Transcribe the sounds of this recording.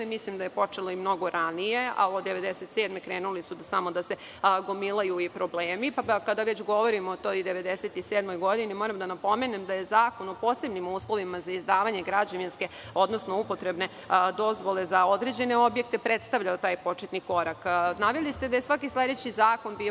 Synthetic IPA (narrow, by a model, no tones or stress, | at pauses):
mislimd̪aje̞po̞t͡ʂeloimno̞ɡoɾanije̞a̰od̪e̞ʋe̞d̪eset̪seːd̪mekɾeːnulisud̪samo̞d̪ase | ɡomilˠajuipɾo̞bleːmipakad̪aʋet͡ɕɡo̞ʋo̞ɾimoːt̪ojd̪eʋe̞d̪eset̪iseːd̪mo̞jɡo̞d̪inimo̞ɾamd̪anapo̞menemd̪ajezaːko̞nopo̞ːse̞bnimuːslˠo̞ʋimazaizd̪aːʋaɲe̞ɡɾad͡ʑaʋinske̞o̞d̪no̞snoupot̪ɾe̞bne̞ | d̪o̞zʋo̞lezao̞d̪ɾe̞d͡ʑe̞ne̞objek̚t̪e̞pɾet̪st̪aʋʎaot̪aːjpo̞t͡ʃet̪niko̞ɾaknaʋjelist̪ed̪aje̞sʋakislʲe̞d̪et͡ɕizaːkonbi